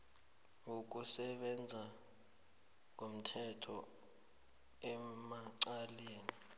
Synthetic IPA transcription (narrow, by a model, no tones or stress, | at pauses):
ŋok̬usɛɓɛnd͡zʱa | k̬om̩tʰɛtʰɔ | ɛmaǀaleːni